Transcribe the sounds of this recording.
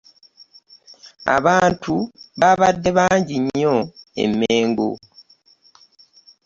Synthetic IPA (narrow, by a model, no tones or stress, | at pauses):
a̰βaːntʰuβaβadːe̞βaːɲɟiɲːoḛmːeːŋɡo̰